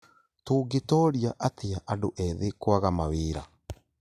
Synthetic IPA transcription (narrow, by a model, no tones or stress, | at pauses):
toːɡetɔɾjaʔateaʔadoʔɛðekwaɣamaweːɾa